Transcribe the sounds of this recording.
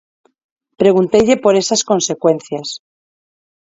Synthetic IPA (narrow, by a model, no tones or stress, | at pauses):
pɾe̞ɣ̞unt̪e̞ʎe̞po̞ɾe̞sasko̞nse̞kwe̞nθjas